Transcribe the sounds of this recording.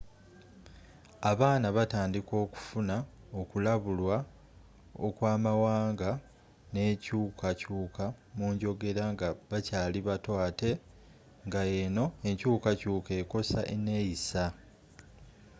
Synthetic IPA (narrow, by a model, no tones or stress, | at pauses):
aβaːnaβataːndiko̞ːku̥funa | okulaβulwa | o̰kwaːmawaːŋɡa | ne̞ːcuːkʰacuːkamuːɲɟo̞ɡe̞ɾaŋɡaβacaːliβatwaːte̞ | ŋɡae̞no̞e̞ɲcuːkacuːke̞ːko̞sa̰ʔene̞ːjisa